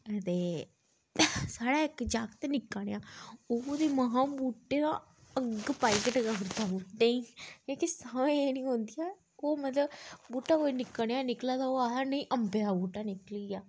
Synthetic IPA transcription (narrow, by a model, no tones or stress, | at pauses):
t̪eː | saːɽaːɪkd͡ʒaːkt̪eːnɪkːəɽ̃ejãːod̪iːməɦãːbuːʈːeːnã | əɡpaːikəʈɡəɾt̪aːbuːʈːeĩːkõːkisaʋẽeːnĩːɦõːnd̪ijaː | koːmət̪ləbbuːʈaːkoːinɪkːəɽ̃jãːnɪklaːd̪aoaːanəĩːʔəmped̪aːbuːʈaːnɪklijaː